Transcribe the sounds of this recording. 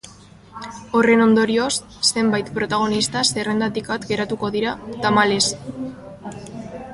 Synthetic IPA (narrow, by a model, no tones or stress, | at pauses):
o̞re̞no̞nd̪o̞ɾio̞sː | e̞mbajt̪pɾo̞t̪aɣ̞o̞nist̪ase̞re̞nd̪at̪ikat̪ɡe̞ɾat̪uko̞ðiɾat̪amale̞s